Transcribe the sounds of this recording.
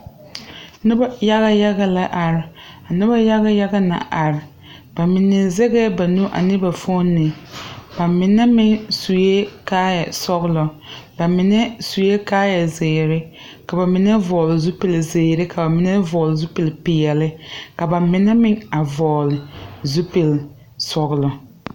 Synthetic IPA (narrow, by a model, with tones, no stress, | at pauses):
nɪ˦ba˦ja˦ɣa˦ja˦ɣa˦la˦ʔa˨ɾɪ˨ | a˨nɪ˦ba˦ja˦ɣa˦ja˦ɡa˦na̰˨ʔa˨ɾɪ˨ | ba˨mɪ˨nːɛ˨zɛ˦ɡɛ˦ba˨nu˦ʔa̰˨nɪ˦ba˨fo˦nːɪ˨ba˨mɪ˨nɛ˦mɪ˦ŋsu˨je˦kaː˦jɛ˨sɔ˦ɣlɔ˨ba˨mɪ˨nɛ˦su˨je˦kaː˦jɛ˨zɪː˨ɾɪ˦ | ka˨ba˨mɪ˨nɛ˦vɔː˨lɪ˨zu˦pɪ˨lzɪː˨ɾɪ˦ka˨ba˨mɪ˨nɛ˦vɔː˨lɪ˨zu˦pɪ˨lpɪ˨jɛ˨lɪ˦ka˨ba˨mɪ˨nɛ˦mɪ˦ŋa˨vɔː˨lɪ˨zu˦pi˨l | sɔ˨ɣlɔ˨